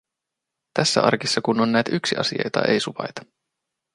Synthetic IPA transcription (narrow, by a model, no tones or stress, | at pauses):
t̪æsːæ̰ɑ̰rkisːɑkuno̞nːæjt̪yksiʔɑ̰sḭɑ̰jt̪ɑ̰ʔḛjsuʋɑ̰jt̪ɑ̥